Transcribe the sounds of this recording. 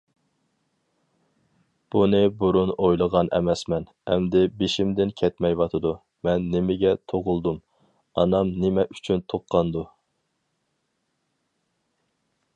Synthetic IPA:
b̥unɨbuɾunojlˠəʁɑnʔɛ̰mɛsmɛn | ɛmd̪ɪbeʃɪmd̪ɪnkʲʰɛt̪mɛjwɑt̪ʰɨd̪u | mɛnːɪmɪɡʲɛt̪ʰoʁʊlˠd̪um | ɑnɑmnɪmɛʔyt͡ʃʰynt̪ʰoqːɑnd̪u

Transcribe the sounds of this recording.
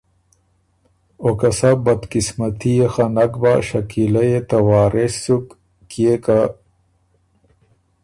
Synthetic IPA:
okɐsabɐd̪kismɐt̪ʰijexanɐkbaɕɐkilajet̪awaːɾesukː | ijeka

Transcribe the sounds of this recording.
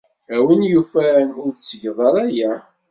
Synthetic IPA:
æwənjufæɾnʊɾθsəʝðˤɑɾˤæjæ

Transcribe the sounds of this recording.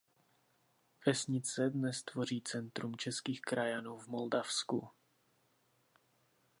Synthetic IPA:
vɛsɲɪt͡sɛdnɛst̪vo̞r̝iːt͡sɛnt̪ɾumt͡ʃɛskiːxkɾajanuːvmoldafsku

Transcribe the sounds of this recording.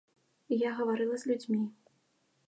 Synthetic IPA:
jaɣɐvaɾɨlˠɐzʲlʲud͡zʲmʲi

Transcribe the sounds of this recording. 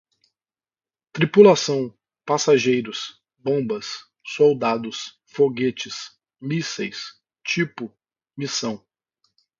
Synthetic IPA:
t̪ɾipulasɐ̃w̃ | pasaʒejɾʊs | bõbɐsː | owd̪ad̪ʊs | foɡet͡ʃɪs | misḛjs | t͡ʃipʊ | misɐ̃w̃

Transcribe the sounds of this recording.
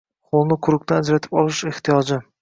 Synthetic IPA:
χʰolˠnɪqʰʊɾʊk̚ʲt̪ʰanad͡ʒɾat̪ʰɪ̥pɒlˠɪʃeht̪ʰijɒd͡ʒɪ

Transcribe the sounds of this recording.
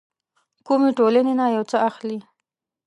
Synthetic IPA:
kumeʈolanenajawt͡səaxli

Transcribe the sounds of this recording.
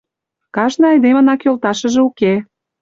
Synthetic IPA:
kɑʃnɤ̆ɑjd̪emə̆nɑkjolt̪ɑʃə̆ʒĕuke

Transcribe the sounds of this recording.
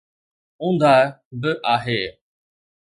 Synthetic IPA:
ʊ̃nd̪ʱaː | bɪʔaːɦeː

